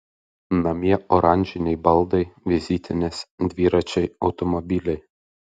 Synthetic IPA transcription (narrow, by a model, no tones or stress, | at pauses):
nɐmʲiɛʔɔɾɑnʲʒʲɪnʲɛɪbɐlˠd̪ɐɪʋʲɪzʲit̪ʲɪnʲesd̪ʲʋʲiːɾɐt͡ʃʲɛɪɒʊt̪ɔmɔbʲiːlʲɛɪ